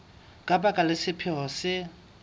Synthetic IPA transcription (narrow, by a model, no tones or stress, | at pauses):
kʼabʼakʼalɪsɪpʰɪɦɔsɪ